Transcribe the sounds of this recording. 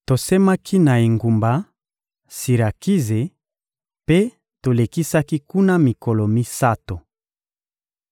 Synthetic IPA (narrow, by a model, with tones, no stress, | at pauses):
to˨se˦ma˦kʰi˦na˨e˨ŋɡu˨mba˨ | si˨ɾa˨ki˦ze˨ | pe˦ | to˨le˨ki˦sa˦ki˦ku˦na˦mi˨ko˨lo˨mi˦sa˦to˨